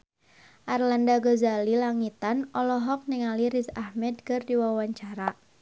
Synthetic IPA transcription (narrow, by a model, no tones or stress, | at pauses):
ʔarlandaɡozalilaŋit̪anɔlɔɦɔk̚niŋaliɾisahmɛd̪̚kɨrdiwawaɲt͡ʃaɾa